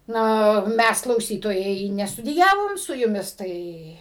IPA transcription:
ˈnɐ ˈmʲæs klˠɐʊˈsʲiːtoːjɛɪ nʲɛstʊdʲɪˈjæːʋoːm sʊ jʊˈmʲɪs ˈtɐɪ

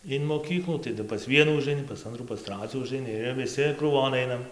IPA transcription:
ɪn moːˈkʲiːklˠuː tɐˈdʊ pɐs ˈʋʲiɛnuː ʊʒɐɪˈnʲɪ pɐs ˈɐntruː pɐs ˈtrɑːt͡sʲuː ʊʒɐɪˈnʲɪ ɪr ʋʲɪˈsʲɪ kruːˈʋoːn ˈɐɪnɐm

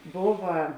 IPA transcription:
ˈboːʋɐ

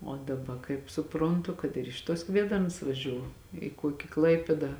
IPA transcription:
oː dɐˈbɐ kɐɪp sʊˈproːntʊ kɐt ɪr ˈɪʃ tuɔs ˈkʋʲiɛdɐrns ʋɐˈʒʲuː ɪ ˈkuɔkʲɪ ˈklˠɐɪpʲeːdɑː

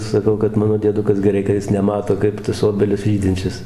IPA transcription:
sɐˈkɐʊ kɐt ˈmɑːnoː dʲiɛˈdʊkɐs ɡʲɛˈrɐɪ kɐ ˈjɪs nʲɛˈmɑːtoː ˈkɐɪp tɐs ˈoːbʲɛlʲɪs ˈʒʲiːdʲɪnʲt͡ʃʲɛs

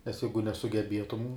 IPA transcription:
nʲɛs ˈjɛɪɡʊ nʲɛsʊɡʲɛˈbʲiɛtʊm

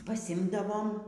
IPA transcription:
pɐˈsʲɪmdɐʋoːm

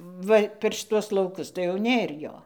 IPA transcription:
ˈʋɐ pʲɛr ʃʲɪˈtuɔs lˠɐʊˈkʊs tɐɪ jɛʊ ˈnʲeːr ˈjoː

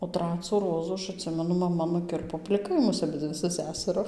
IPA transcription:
oː ˈtrɑːt͡sʊ ˈroːzʊ ˈɐʃ ɐtʲˈsʲɪmʲɛnʊ mɐˈmɐ nʊˈkʲɪrpoː pʲlʲɪˈkɐɪ ˈmʊs ɐˈbʲɪd͡zʲɪ sʊ ˈsʲæsɐrʊ

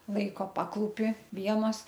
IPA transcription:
ˈlˠɐɪkoː ˈpɑːklˠuːpʲɪ ˈʋʲiɛnoːs

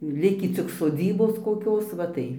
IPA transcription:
ˈlʲɪkʲiː t͡sʲɪk soːˈd͡zʲiːboːs koːˈkʲoːs ˈʋɐ tɐɪ

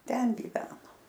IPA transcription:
ˈtʲɛn ɡʲiːˈʋʲæːnoː

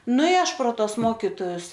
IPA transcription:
ˈnʊ ɪ ˈɐʃ proː ˈtoːs ˈmoːkʲɪtoːjʊs

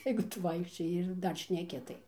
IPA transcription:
jɛɪɡʊ ˈtʊ ˈʋɐɪkʃʲt͡ʃʲoːjɪ ɪr ˈdɐr ʃʲnʲɛˈkʲɪ tɐɪ

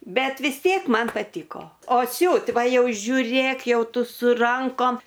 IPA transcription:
ˈbʲɛt ʋʲɪs ˈtʲiɛk ˈmɐn pɐˈtʲiːkoː oː ˈsʲuːtʲ ˈʋɐ ˈjɛʊ ʒʲʊˈrʲeːk ˈjɛʊ ˈtʊ sʊ ˈrɐŋkoːm

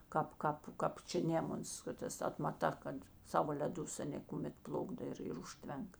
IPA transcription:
ˈkɑːp ˈkɑːp kɐp ˈt͡ʃʲɛ ˈnʲeːmʊns ˈkɐt ˌtɐs ɐtmɐˈtɐ kɐt ˈsɑːʋoː lʲɛˈdʊs ɐˈnʲeː kʊˈmʲɛt ˈplˠʊɡdoː ɪr ɪr ˈʊʃʲtʲʋʲɛŋk

